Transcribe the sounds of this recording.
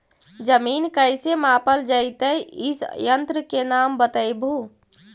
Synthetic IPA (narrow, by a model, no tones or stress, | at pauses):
d͡ʒəmiːnkəɪsemaːpəld͡ʒəɪt̪əjɪsjə̃nt̪ɾəkenaːmbət̪əjbʱu